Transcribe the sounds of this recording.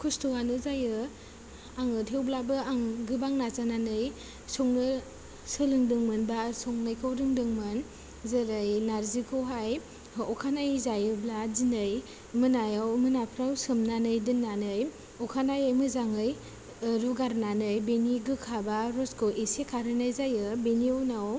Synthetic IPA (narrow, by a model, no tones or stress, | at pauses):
kʰustuwanɯzajɯ | aŋɯtʰewblabɯaŋɡɯbaŋnazananɯj | sɔŋnɯ | sɯlɯŋdɯŋmɯnbasɔŋnɯjkʰɯwɾɯŋdɯŋmɯn | zɯɾɯjnaɾzikʰɯwɦaj | ɔkʰanajzajɯbladinɯj | mɯnajawmɯnapʰɾawsɯmnanɯjdɯnːanɯj | ɔkʰanajajmɯzaŋɯj | ɾuɡaɾnanɯjbeniɡɯkʰabaɾɔskʰɯwʔesekʰaɾɯnajzajɯbeniɯwnaw